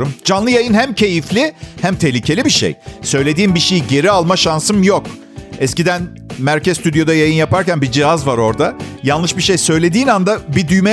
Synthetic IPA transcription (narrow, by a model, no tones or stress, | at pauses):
umd͡ʒanlˠɯjajɯnhæmcʰe̞jiflʲihæmt̪ʰehlʲicʰe̞lʲibiʃḛjsø̞jlʲe̞d̪iːnbiʃejiɟe̞ɾialˠmaʃansɯmjok | ɛscid̪æn | mæɾcʰɛzst̪yd̪jo̞d̪ajajɯnjapaɾcænbid͡ʒiɦazvaɾo̞ɾd̪ajanˠlɯʃbiʃejsø̞jlʲe̞d̪iːnand̪abid̪yjmɛ